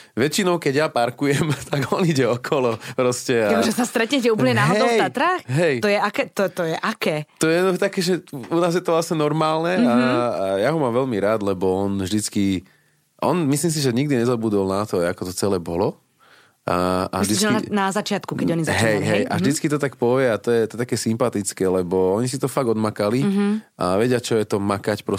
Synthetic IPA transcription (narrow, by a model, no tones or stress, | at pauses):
ʋɛt͡ʃinɔʊkɛɟjapaɾkujɛmt̪aɡɔniɟɛɔkʰɔlɔpɾɔscɛaʒɛsast̪ɾɛt̪ɲɛcɛuːpəlɲɛnaːɦdɛɔʊat̪ɾaːxɦɛjt̪ɔjɛakɛːt̪ɔt̪ɔjɛʔakɛːt̪ɔjɛɔt̪akɛːʒɛunaːzjɛt̪ɔlasɲɛnɔɾmaːlnɛajaɦɔmaːmʋɛʎmiɾaːd̪lɛbɔɔnvʒd̪it͡ski | ʔɔ̰nmisliːms̬iʒɛɲiɡd̪iɲɛzɔbud̪ɔlnat̪ɔakɔt̪ɔt͡sɛlɛːbɔlɔ | aa̰ʒd̪inazat͡ʃɪat̪kukɛɟɔɲizaɦɛjɦɛjʔa̰ʒd̪it͡skit̪ɔt̪akpɔʋɪɛat̪ɔjɛt̪ɔɛt̪akɛːsimpat̪it͡skɛːlɛbɔɔɲis̬it̪ɔfaɡɔd̪makaliʔaʋɛɟɪat͡ʃɔjɛt̪ɔmakacpɾɔ